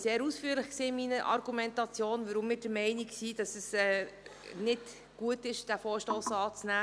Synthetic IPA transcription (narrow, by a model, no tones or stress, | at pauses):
seːɾusfyːəɾlɪχksiːmiːnəʔɑ̰ɾɡ̥umɛntɑt͡sjoːnvəɾʊmːɪːd̥əmɛɪniksiːd̥ɑsəsɛː | nɪd | ɡ̥uətɪʃd̥æfoːɾʃtoːsɑːt͡snæː